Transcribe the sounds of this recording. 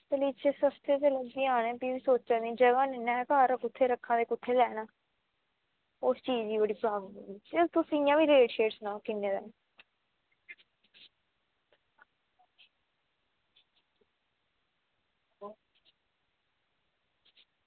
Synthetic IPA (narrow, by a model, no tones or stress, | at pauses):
təliːt͡ʃʰeːsəst̪eːt̪̬eləɡd̪ĩːaːnẽːbiːʋiːsoːt͡ʃt͡ʃaːd̪ĩd͡ʒəɡãːneːnɛ̃ːkaːɾakʊt̪ʰːeːɾəkʰːãːd̪eːkʊt̪ʰːeːlɛːnaː | ost͡ʃiːd͡ʒiːbəɽiːbɾaːɡɦʊd̪iːd͡ʒet̪ʊsĩɪjãːʋiːɾeːʈʃeːʈsnãːkɪnːeːd̪aː